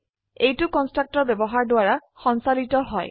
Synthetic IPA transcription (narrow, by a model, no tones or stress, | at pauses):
ejtʊkɔnstɹak̚tɔɹbɛbɔɦaɹdʊaɹaxɔnsalitɔɦɔj